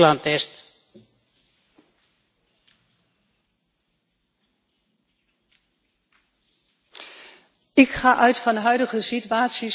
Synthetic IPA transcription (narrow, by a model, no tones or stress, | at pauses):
lɑntɛst | ɪkχaːʔœɥtfɑnɦœɥdəɣəsityaːtsji